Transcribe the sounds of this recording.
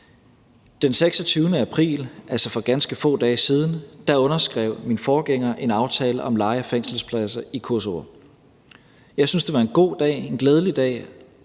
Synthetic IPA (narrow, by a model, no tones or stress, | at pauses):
d̥enseɡ̥sɒt͡sʰyːʊnəæpʰʁḭːlælsɒ̽fɒɡ̥ænsɡ̥əfɔ̰̽ːd̥ɛːsiːð̞ˠn̩d̥æɔ̽nɐsɡ̥ʁɛ̰ʊ̰minfɒːɡ̥eŋ̰ɐʔe̝nɑ̈ʊt͡sʰɛːləʔɒ̽mlɑ̈ɪɐfeŋ̰sl̩spʰlæsɐikʰo̝soʋo | jɑ̈ɪsynsd̥e̝ʋɑ̈e̝nɡ̥o̝̰ːd̥ɛ̰ːe̝nɡ̥leð̞ˠəlid̥ɛ̰ː